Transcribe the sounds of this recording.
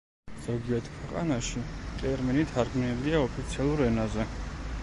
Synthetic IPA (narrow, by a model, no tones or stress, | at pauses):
z̥ɔɡiɛɾt̪ʰkʰwɛqʼa̰naʃit̪ʼɛɾminit̪ʰaɾɡminiliaɔpʰit̪sʰialˠuɾɛnazɛ